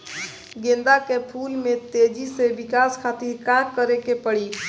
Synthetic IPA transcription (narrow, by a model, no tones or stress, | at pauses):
ɡẽnd̪akepʰulmet̪ed͡ʒiseʋɪkaskʰat̪iɾkakəɾekepəɽi